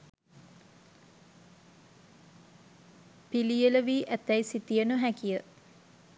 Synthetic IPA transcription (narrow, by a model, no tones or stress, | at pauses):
pilijələʋiːʔæt̪ːæjsit̪ijənəɦækijə